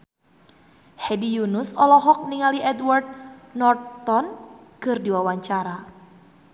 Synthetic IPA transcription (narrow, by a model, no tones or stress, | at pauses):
hɛdijunusɔlɔɦɔk̚niŋaliʔɛdward̪̚nɔrt̪ɔnkɨrdiwawaɲt͡ʃaɾa